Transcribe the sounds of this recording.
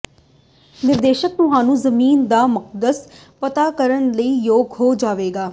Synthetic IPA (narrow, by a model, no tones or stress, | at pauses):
nɪɾd̪eːʃək̚t̪ʊɦaːnũːzəmiːnd̪aːmʊq̚d̪əs | pət̪aːkəɾənləiːjoːɡɦoːd͡ʒaːʋeːɡaː